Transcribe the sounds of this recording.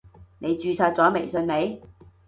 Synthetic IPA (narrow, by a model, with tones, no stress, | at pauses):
ne˨˧jt͡ʃyː˧t͡sʰaː˧t̚t͡sɔː˨˥me˨˩jsɵ˧nme˨˧j